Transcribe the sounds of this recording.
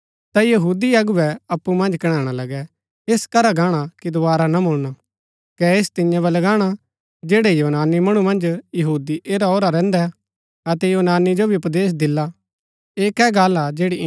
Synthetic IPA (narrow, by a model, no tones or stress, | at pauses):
t̪ajɐɦuːd̪iɐɡʊʋɛɐpːumɐ̃nd͡ʒkɐɽ̃ãːɽ̃alɐɡɛ | eskɐɾaɡaːɽ̃akid̪ʊʋaːɾanamʊɭña | kɛest̪ɪ̃jãbɐlɐɡaːɽ̃a | d͡ʒeːɽɛjoːnaːnimɐɽ̃umɐ̃nd͡ʒjɐɦuːd̪iʔeːɾaoːɾaɾɛ̃ːnd̪ɛ | ɐt̪ɛjoːnaːnid͡ʒobʱiʊpd̪eːs̬d̪ɪlːa | eːkɛɡaːlad͡ʒeːɽi